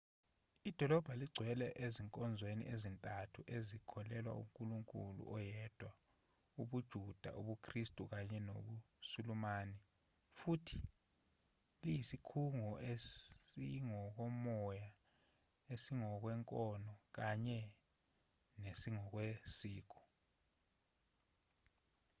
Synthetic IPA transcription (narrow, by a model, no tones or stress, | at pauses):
id̥ʱɔlɔb̥ʱaliɡ͡ǀʱwɛlɛʔeziŋkʼɔnd͡zʱwenḭʔezintʼatʰuʔezikʰɔlɛlwa̰ṵmkʼuluŋkʼulṵʔɔjɛd̥ʱwa | uɓud̥ʒ̥ʱud̥ʱa̰ʔuɓukʰristʼuk̬aɲɛno̰ɓu | sulumaːnɛ | futʰi̥ | lijisikʰuŋɔʔeiŋɔk̬ɔmɔja | esiŋɔk̬wɛŋkʼɔnɔk̬aɲɛ | nesiŋɔk̬wesiːk̬ɔ̥